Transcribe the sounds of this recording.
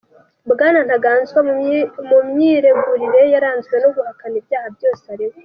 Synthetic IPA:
bɡaːnan̥haɡaːnzɡwamumɲiɾe̞ɡuɾiɾe̞jaɾaːnzɡwe̞noɡuhakanibjaːhabjo̞ːse̥haɾiwe

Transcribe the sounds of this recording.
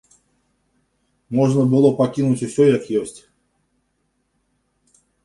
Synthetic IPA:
moʐnəbɨlˠopɐkʲinʊtʲɪsʲojakjesʲtʲ

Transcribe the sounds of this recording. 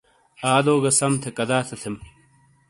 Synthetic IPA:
aːd̪oːɡɐsɐmt̪ʰekɐd̪aːt̪ʰɐt̪ʰem

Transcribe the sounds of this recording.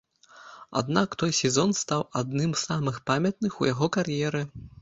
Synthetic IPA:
a̰d̪nakt̪ɔjsʲɛzɔnst̪awad̪nɨmzamɨxpamʲɐt̪̚nɨxujaɣɔkarjɛɾɨ

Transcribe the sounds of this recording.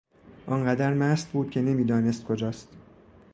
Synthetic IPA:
ʔɒnɢæd̪æɾmæːst̪buːd̪̥̚cʲʰe̞ne̞miːd̪ɒːne̞st̪̚kʰod͡ʒɒːst̪

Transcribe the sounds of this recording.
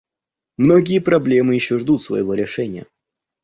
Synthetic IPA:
mno̞ɡʲɪjəpɾɐblʲe̞mɨjɪɕːoʐd̪ut̪svɐ̰jɪvo̞ɾʲɪʂɛnʲɪjə̰

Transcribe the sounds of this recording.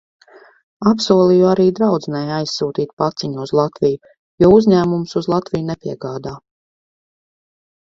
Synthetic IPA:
apsuɔlˠijuaɾiːd̪ɾawd̪znɛjajsːuːt̪iːt̪̚pat̪siɲuuzlˠat̪viju | juɔuzʲɲæːmumsuzlˠat̪vijunɛpʲiɛɡaːd̪aː

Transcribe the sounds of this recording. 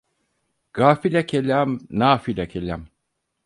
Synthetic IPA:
ɡ̥aːfilʲakʰelʲamnaːfilʲakʰelʲam

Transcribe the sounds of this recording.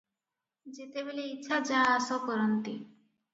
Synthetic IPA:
d͡ʒet̪ebeleitːʃʰad͡ʒaɦːsɔpɔɾɔnt̪i

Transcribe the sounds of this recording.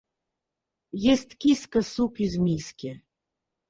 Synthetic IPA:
jest̪kʲiskəsukyzmʲiskʲe

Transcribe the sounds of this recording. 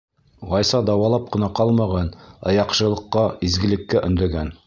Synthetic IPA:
ʁɑjsɑd̪ɑwɑlˠɑp̚qɤ̆nɑqɑlˠmɑʁɑnɑ̰jɑqʃɤ̆lˠɤ̆qːɑizɡɘ̆lɘ̆kːæʔɵ̆nd̪ɘ̆ɡæn

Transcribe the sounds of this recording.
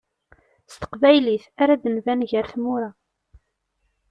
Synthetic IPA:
st̪ə̥qvæjliθaɾaðənvænʝəɾθmʊɾa

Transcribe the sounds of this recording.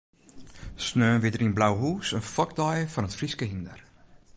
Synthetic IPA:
snøːnʋɪdərinblawɦuːsənfɔk̚dɔjəfɔnətfriskəɦindər

